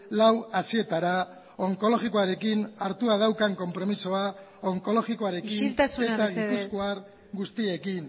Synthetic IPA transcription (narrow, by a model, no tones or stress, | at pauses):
lawasie̞t̪aɾa | o̞ŋko̞lo̞ɣiko̞aɾe̞kinaɾt̪uað̞awkaŋko̞mpɾo̞miso̞a | oŋko̞lo̞ɣikoaɾe̞kint̪asuett̪aipuskoaɾ | ɡust̪ie̞kin